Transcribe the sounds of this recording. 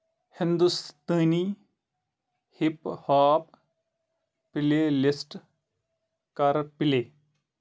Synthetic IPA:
hɪnd̪ust̪əːni | hɪphaːp | pɪleːlɪsʈ | kɐɾpɪleː

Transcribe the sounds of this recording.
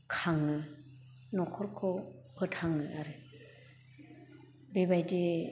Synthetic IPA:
kʰaŋːɯ | nɔkʰɔɾkʰɔpʰɯtʰaŋːɯʔaɾɯ | bebajde

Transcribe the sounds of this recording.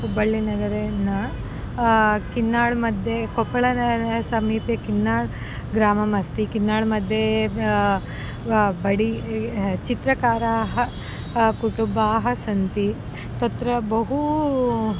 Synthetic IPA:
ubɐɭːinɐd̪ɐɾenɐ | kinːaːɭmɐd̪ʱjekopːɐɭɐnɐsɐmiːpjɐkinːaːɭ | ɡɾaːmɐmɐst̪ikinːaːɭmɐd̪ʱje | bɐɽi | t͡ʃit̪ɾɐkaːɾaːɦɐ | kuʈumbaːɦɐsɐnt̪i | t̪ɐt̪ɾɐbɐɦu

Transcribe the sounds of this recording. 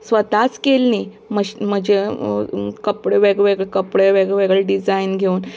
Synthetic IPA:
sʋət̪at͡skelni | məɕm̤əd͡ʑe | kəpɽeʋeɡʋeɡɭekəpɽeʋeɡɭʋeɡɭeɖid͡zainɡʱeun

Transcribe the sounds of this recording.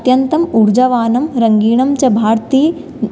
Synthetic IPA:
t̪jɐnt̪ɐmuɾd͡ʒɐʋaːnɐmɾɐŋɡiːɳɐmt͡ʃɐbʱaːɾt̪iː

